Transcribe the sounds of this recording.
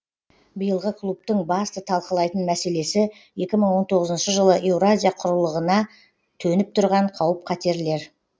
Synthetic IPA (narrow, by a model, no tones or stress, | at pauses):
bəjəlˠʁəkʰlˠup̚t̪əɴbɑst̪ət̪ʰɑlˠqəlˠɑjt̪ənmæse̞le̞sɪ | je̞kʲɪməɴwo̞nt̪ʰo̞ʁəzənʃəʒəlˠəʔe̞wɾazʲijaqʰʊɾəlˠəʁənɑ | t̪ʰɵnɪp̚t̪ʰʊɾʁɑɴqʰɑwəp̚qʰɑt̪e̞ɾle̞ɾ